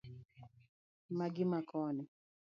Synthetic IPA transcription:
maɡimakɔnɛ

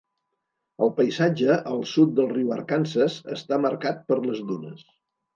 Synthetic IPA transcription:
əlˠpəjzad͡ʒəʔəlˠsut̪̚d̪əlˠriuwə̰rkansəzə̰st̪aməɾkat̪̚pəɾləzðunəs

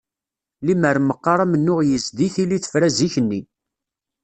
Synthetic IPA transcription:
liməɾməqːɑɾˤamənːʊʁjəzd̪iθiliθə̥fɾæziçənːi

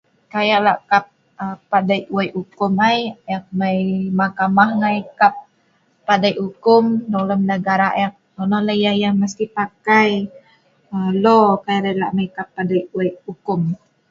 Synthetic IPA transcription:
kajaʔlaʔkap̚ | əpːadajuajʔukʊmajjak̚majmakamahŋajkap̚ː | adajhukʊmnoləmnəɡaɾajak̚ː | ɔnɔlajajaŋməst̪ipakaj | əlɔkajaʔlalaʔmajkapːadajuaukʊm

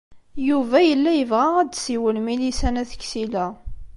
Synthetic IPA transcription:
juvæjəlːæjəvʁææd̪siwəlmilisænæθə̥kːsilæ

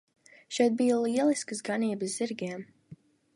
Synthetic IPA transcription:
ʃɛjt̪̚bijalˠiɛlˠiskəsɡaniːbɨszz̥iɾɡʲiɛm

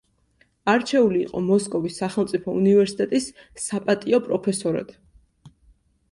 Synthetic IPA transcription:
aɾt͡ʃʰɛulḭːqʼɔmɔskʼɔvisːaχɛlˠmt̪sʼipʰɔṵnivɛɾsi̥t̪ʼɛt̪ʼisː | apʼat̪ʼiɔpʼɾɔpʰɛsɔɾa̰d̪̥

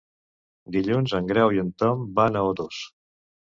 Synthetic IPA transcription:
d̪iʎunzəŋɡɾɛwiənt̪ɔmbanəod̪os

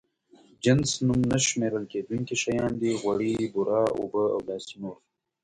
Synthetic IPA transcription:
d͡ʒɪnsnumnaʃmeːɾəlkeːd̪uŋkiʃɐjɑːnd̪iɣwɐɽibʊɾɑːo̰bəa̰wlɑːsinoːɾ

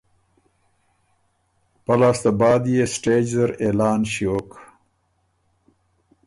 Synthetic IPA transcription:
pɐlaːst̪abɑːd̪jesʈeːd͡ʒzɐɾeːlɑːnɕiok

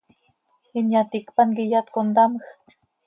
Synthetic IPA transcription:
injat̪ikpanɡijat̪kond̪aməx

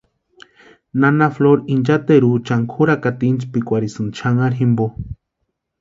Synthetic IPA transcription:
nanafloɾind͡ʒat̪eɾut͡ʃaŋkʰuɾakat̪int͡ʃpikʷaɾisɨnt͡ʃʰaŋaɾimbo

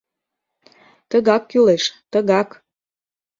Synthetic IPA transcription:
t̪əɣɑkːyleʃt̪əɣɑk

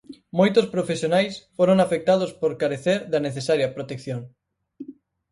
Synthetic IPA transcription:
mojt̪ospɾofesjonajsfoɾoŋafek̚t̪að̞ospoɾkaɾeθeɾðaneθesaɾjapɾot̪ekθjoŋ

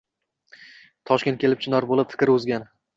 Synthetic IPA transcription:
t̪ʰɒʃkʲet̪̚kʰʲe̞lɪp̚t͡ʃʰɪnɒɾbolɪpfɪ̥kʲɾɵzɡʲan

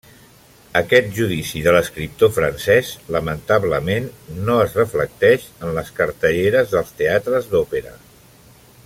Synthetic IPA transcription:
əkɛt̪̚ʒuð̞isiðələskɾip̚t̪ofɾənsɛzləmənt̪aβləmenːoəzrəflək̚t̪ɛʃənləskəɾt̪əʎeɾəzðəlˠst̪eat̪ɾəzd̪opeɾə̰

